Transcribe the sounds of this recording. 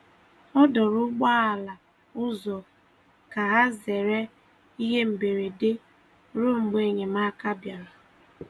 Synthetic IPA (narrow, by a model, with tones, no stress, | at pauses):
ɔ˦dɔ˨ɾʊ˦ɡ͡ba˦a˨la˨ | ʊ˦zɔ˨ | ka˨ɦa˦ze˨ɾe˦ | i˦ɦe˦m̩˨be˨ɾe˨de˦ | ɾʊ˦ŋ͡m̩˨ɡ͡be˨ɲe˨ma˦ka˦bja˨ɾa˨